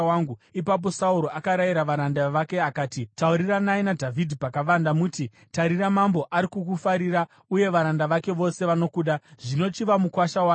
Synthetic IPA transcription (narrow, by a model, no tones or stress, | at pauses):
aŋɡuipap̬o̞sauɾo̞ʔakaɾajiɾaʋaɾandaʋake̞akaːtitauɾiranaenadʱavʱidʱipakaʋandamuti | taɾiramambo̞ʔaɾikukufaɾiɾa | uje̞ʋaɾandaʋake̞ʋo̞se̞ʋano̞kuːɗaʐino̞t͡ʃiʋamukwaʃawa